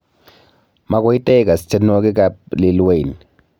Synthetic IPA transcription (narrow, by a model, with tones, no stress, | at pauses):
ma˦ko˦i˦tʼɛ˦ka˨si̥tʰɛ˦nɔ˦k̬ɛ˦k̬a˦pli˨lwe˦˨ni